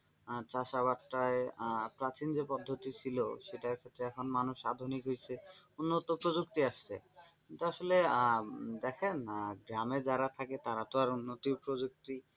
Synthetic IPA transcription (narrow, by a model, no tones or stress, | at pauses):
t͡ɕaʃaβaʈːaepɾat͡ɕind͡ʑepɔd̪ʱːot̪it͡ɕʰilo̰ʃeʈaɾkʰet̪ːɾeɛkʰonmanuʃad̪ʱunikɦojt͡ɕʰeunːot̪opɾod͡ʑukt̪iaʃt͡ɕʰḛkint̪uaʃole | d̪ɛkʰenɡɾamed͡ʑaɾat̪ʰaket̪aɾat̪oaɾunːot̪ipɾod͡ʑuk̚t̪i